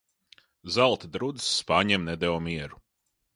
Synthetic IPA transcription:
zalˠt̪id̪ɾud̪sːpaːɲɛmnɛd̪ɛwɔmiɛɾu

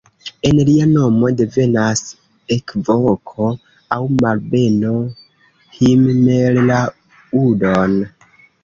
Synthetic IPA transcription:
e̞nliano̞mo̞de̞ve̞nas | ekvokʰo | awmalbe̞no | himmella | udon

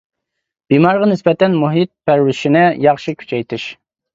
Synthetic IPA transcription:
b̥imɑɾʁɑnɪsbɛt̪ɛnmuɦit̪̚pʰæɾwɪʃinɪjɑχʃɨkʲʰy̥t͡ʃʰɛjt̪ʰɨʃ

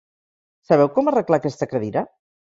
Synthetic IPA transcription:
səβ̞ɛwkɔmərəklakɛst̪əkəðiɾa

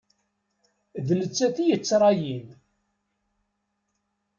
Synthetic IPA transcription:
ðnət͡sːæθijət͡sːɾˤɑjin

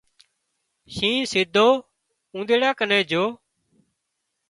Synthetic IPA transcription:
ʃĩːsɪːd̪ʱoː | ũːnd̪eːɽaːkənẽːd͡ʒoː

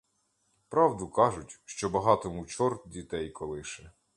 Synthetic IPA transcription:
pɾɑwd̪ʊkɑʒʊtʲʃt͡ʃɔbɐɦɑt̪ɔmʊt͡ʃɔrt̪̚dʲit̪ɛjkʰɔlˠɪʃɛ

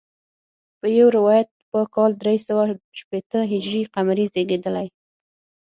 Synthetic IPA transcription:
pəjawɾɪwɑjat̪̚pəkɑld̪ɾesawaʃpet̪əɦɪd͡ʒɾiqamaɾizeɡed̪əlaj

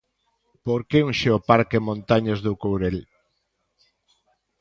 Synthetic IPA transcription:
poɾkeuŋʃeopaɾkemõnt̪aɲozðukowɾel

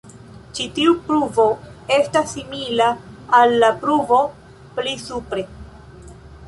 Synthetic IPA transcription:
t͡ʃitiupɾuvo̞e̞stasːimilaːlːapɾuvo̞ | plisupɾe̞

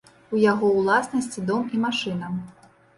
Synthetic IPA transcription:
ujaɣɔwlˠasnɐsʲt͡sʲid̪ɔmimaʂɨnɐ

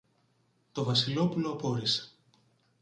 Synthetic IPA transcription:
t̪o̞vɐsilo̞pulo̞ɐpo̞ɾise̥

